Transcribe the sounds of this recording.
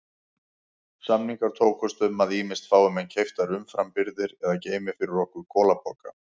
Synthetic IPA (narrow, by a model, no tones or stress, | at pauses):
samniŋkaɾ̥t̪ʰoːwkʰɔst̪ʏmːaðiːmɪst̪faːwʏmɛncʰejft̪aɾʏmfɾampɪɾðɪɾɛðaceːjmɪfɪɾɪɾɔhkʏɾ̥kʰɔːlapɔːka